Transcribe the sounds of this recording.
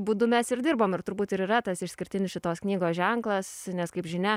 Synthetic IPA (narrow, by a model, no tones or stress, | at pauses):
buːd̪ʊmʲɛsɪɾd̪ʲɪɾboːmɪrt̪ʊɾbuːt̪ɪɾiːɾɐt̪ɐsɪʃsʲkʲɪɾʲt̪ʲɪnʲɪsʃʲɪt̪oːsknʲiːɡoːsʒʲɛŋklˠɐsnʲɛskɐɪpʒʲɪnʲɛ